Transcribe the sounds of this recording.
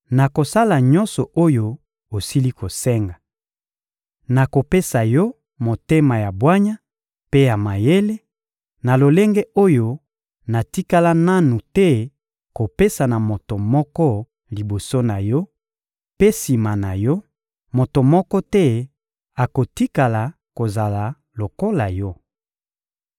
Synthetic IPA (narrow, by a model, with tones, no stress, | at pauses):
na˨ko˨sa˦la˨ɲɔ̃˦nsɔ˨ʔo˦jo˦ | o˨si˦li˦ko˨sɛ˦ŋɡa˨ | na˨ko˨pe˦sa˨jɔ˦ | mo˨te˦ma˨ja˨bwa˦ɲa˦ | pe˦ja˨ma˨je˦le˦ | na˨lo˨le˦ŋɡe˦o˦jo˦ | na˨ti˦ka˦la˦na˦nu˨tɛ˦ | ko˨pe˦sa˨na˨mo˨to˨mɔ˦kɔ˦ | li˨bo˨so˦na˨jɔ˦ | pe˦si˨ma˨na˨jɔ˦ | mo˨to˨mɔ˦kɔ˦tɛ˦ | a˨ko˨ti˦ka˨la˨ | ko˨za˨la˨ | lo˨ko˦la˨jɔ˦